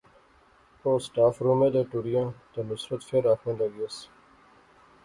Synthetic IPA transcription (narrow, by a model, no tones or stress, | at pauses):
oːsʈaːfɾuːmẽːd̪eːʈuɾijãːt̪eːnʊsɾət̪feɾaːkʰẽːləɡiəs